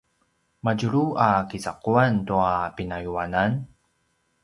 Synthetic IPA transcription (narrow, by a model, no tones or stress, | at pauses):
maɟuɾuʔakisaquantuapinajuanan